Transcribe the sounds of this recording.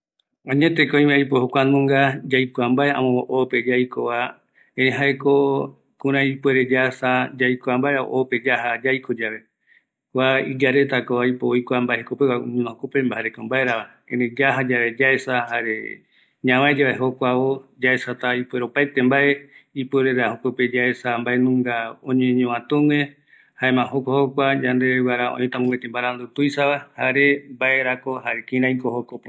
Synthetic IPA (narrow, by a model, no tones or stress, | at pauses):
ãɲẽt̪ekoj̃mẽaijpohokʷanũŋɡad͡ʒajkʷambaea̰mõoʔope̞d͡ʒajkoβa | ẽɾẽɦaeko | kũɾ̃ãipweɾed͡ʒasad͡ʒajkoambaeao̰ʔope̞d͡ʒaɦad͡ʒajkod͡ʒaʋe̞ | kʷaid͡ʒaɾe̞t̪akoajpoojkʷambaehekopewauɲũnõhokopẽmbahaɾekombaeɾaβa | ẽned͡ʒaɦad͡ʒaβe̞d͡ʒaesahaɾḛ | ɲãwãed͡ʒaβaɦokʷaβod͡ʒaesat̪aipweɾopaet̪embaʔeipeɾeɾahokope̞d͡ʒaesambaenũŋɡaõɲẽɲõãt̪uwẽ | haẽmãhokohokʷad͡ʒand̪ewaɾaõ̰ʔĩt̪amũwet̪embaɾand̪ut̪ujsaβahaɾe̞mbaeɾako̞ɦaɾekĩɾãĩkohokope